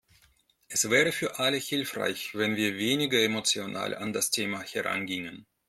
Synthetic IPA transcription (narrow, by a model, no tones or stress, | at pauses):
ʔɛsv̥ɛːʁəfyːɐʔaləhɪlfʁ̥a̰ɪçv̥ɛnviːɐveːnɪɡɐɛmot͡sjona̰ːla̰ndastʰeːmahɛʁa̰nɡɪŋən